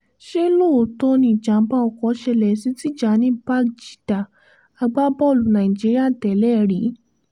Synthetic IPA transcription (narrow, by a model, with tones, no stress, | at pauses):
ʃe˦lo˦˨to˧nĩ˧˨d͡ʒa˨˦ba˦ɔ˨kɔ˨˦ʃɛ˧lɛ˨si˦ti˦˨d͡ʒa˨˦nĩ˨˦ba˦kd͡ʒi̥˨da˨ | a˧ɡ͡ba˦bɔ˦˨lu˨nã˨ĩ˨d͡ʒi˦ɾi˦a˦˨tɛ˨˦lɛ˦˨ɾi˨˦